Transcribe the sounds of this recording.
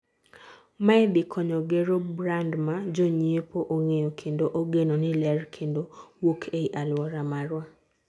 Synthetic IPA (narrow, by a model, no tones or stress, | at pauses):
maɛdɪkʰɔɲɔɡeɾobɾandmad͡ʒoɲiepoʔoŋejokʰendoʔoɡenonɪlɛrkʰendowokʰeiʔalwɔɾamaɾwa